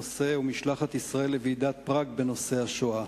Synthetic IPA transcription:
ose̞umiʃlaχat̪isʁae̞lːeviːd̪at̪̚pʁaɡbe̞no̞se̞aʃoa

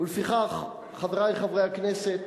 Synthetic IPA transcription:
ulefiχaχ | χaveʁajχavʁejhakneset̪

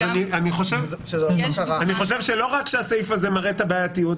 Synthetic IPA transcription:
anianiχo̞ʃev | aaniχo̞ʃevʃe̞lo̞ʁakʃeasejfazemaʁet̪abaːjatijut

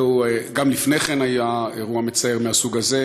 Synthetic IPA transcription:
ueɡamlifneχenajaeʁuame̞t͡saeʁmeɦasuɡaze

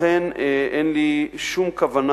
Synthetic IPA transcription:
enʔenliʃumkavana

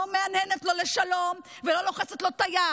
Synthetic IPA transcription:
omeanɛnet̪lo̞leʃalo̞mvelo̞loχet͡set̪lo̞t̪aja

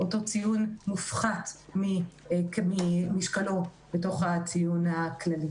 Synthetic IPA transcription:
ʔoto̞t͡sijunmufχatmikmimiʃkalo̞ | b̥eto̞χhat͡sijunaklali

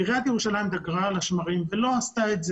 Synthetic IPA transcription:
iʁiat̪jeʁuʃalajimd̪aɡʁalaʃmaʁimvelo̞ast̪aetz

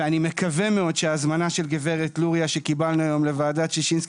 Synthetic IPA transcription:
eanime̞kavemeo̞dʃeaːzmanaʃelɡeve̞ʁetluʁijaʃe̞kibalnuajo̞mle̞vaːdatʃeʃinsk

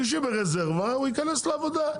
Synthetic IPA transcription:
iʃ̬ebeʁezeʁvauikanesleavod̪a

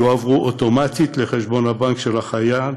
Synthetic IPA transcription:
oavʁuʔoto̞mat̪it̪leχe̞ʃbo̞nhabaŋkʃe̞lhaχaja

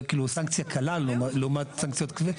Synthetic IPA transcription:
kiːlusaŋkt͡sjakʰalalmalumat̪saŋkt͡sjot̪kave

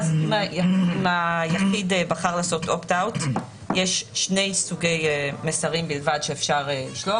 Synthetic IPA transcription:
azimajaimajaχidbaχaʁlaːso̞tʔoptawt | jeʃʃne̞jsuɡe̞jmesaʁimbilvadʃeːfʃaʁliʃlo

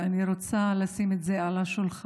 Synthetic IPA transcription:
aniɾot͡salasimetzealaʃulχ

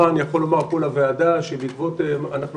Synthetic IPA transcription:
anjaχo̞lo̞maʁkolavead̪aʃebikvot̪emanaχnu

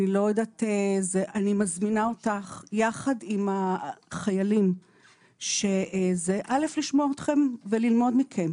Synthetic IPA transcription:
ilo̞jedat̪ezeʔanimazminaotaχjaχadimaχajalim | ʃe̞zeʔale̞fliʃmoot̪χe̞mvelilmo̞dmikʰem

